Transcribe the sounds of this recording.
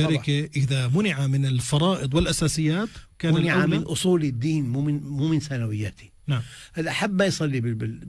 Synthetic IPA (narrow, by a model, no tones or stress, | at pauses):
aɾɪkeʔɪðamʊnɪʕamɪnɪlfɑɾˤɑːʔɨd̪ˤwɪlʔasaːsɪjːaːt̪kaːmnanɪʕamɪnʔʊsˤuːlid̪ːiːnmuːmɪnmuːmɪnsanawɪjːaːt̪i̥ | naʕmʔaðaʔaħabːmajsˤɑlːibɪbɪ